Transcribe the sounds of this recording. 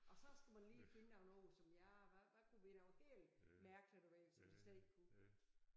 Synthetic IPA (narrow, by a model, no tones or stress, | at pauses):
ɒ̽sɒ̽sɡ̥æmænliːfe̝nəd̥ɑnɔːsɒ̽mjɑʋæʋækʰuʋen̥æhḛlmæɐɡ̥ʰlæɾ̥oʋɛ̰sɒmd̥isleðˠeɡ̥kʰu